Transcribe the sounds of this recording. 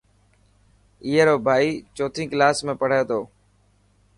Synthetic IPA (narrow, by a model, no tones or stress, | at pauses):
iːɦeɾoːbʱaːiːt͡ʃoːt̪ʰĩːklaːsmẽːpəɽ̤eːt̪ʰoː